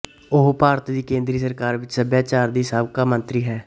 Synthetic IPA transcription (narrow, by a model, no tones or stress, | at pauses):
ʊɦpaːɾət̪d̪iːkẽːnd̪ɾiːsəɾkaːɾʋɪt͡ʃsəbjaːt͡ʃaːɾd̪iːsaːbkaːmə̃nt̪ɾiːɦɛː